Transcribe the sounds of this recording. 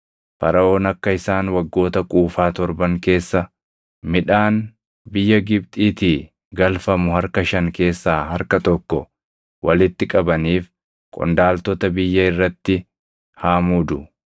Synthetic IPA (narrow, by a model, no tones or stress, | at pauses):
fɐɾɐo̞ːnɐkːɐɪsaːnwɐɡːo̞ːt̪ɐkʼuːfaːt̪ɔɾbɐŋke̞ːsːɐ | mɪᶑaːn | bɪjːɐɡɪb̚t̪ʼiːt̪iː | ɡɐlfɐmʊhɐɾkɐʃɐŋke̞ːsːaːɦɐɾkɐt̪ɔkːɔ | wʔɐlɪt̪ːɪkʼɐbɐniːf | kʼɔ̰nd̪aːlt̪ɔt̪ɐbɪjːɐɪrːɐt̪ːɪ | haːmud̪ʊ